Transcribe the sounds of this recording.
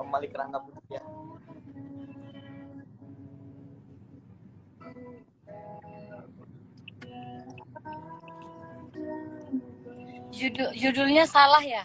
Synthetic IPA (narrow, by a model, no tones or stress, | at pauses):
amalikəɾaŋɡaput̪ukja | d͡ʒudd͡ʒudʊlɲasalahja